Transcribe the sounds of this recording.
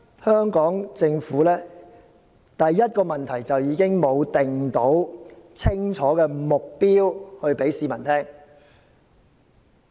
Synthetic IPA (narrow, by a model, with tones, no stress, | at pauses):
hœː˥ŋkɔː˨˥ŋt͡sɪ˧ŋfuː˨˥lɛː˥ | t̪ɐ˨jːɐ˥t̚kɔː˧mɐ˨nt̪ʰɐ˨˩jt͡sɐ˨wjiː˨˧kɪ˥ŋmo˨˧wt̪ɪ˨ŋt̪o˨˥wt͡sʰɪ˥ŋt͡ʃʰɔː˨˥kɛː˧mʊ˨k̚piː˥whɵ˧ɥpe˨˥jsiː˧mɐ˨˩nt̪ʰɛː˥ŋ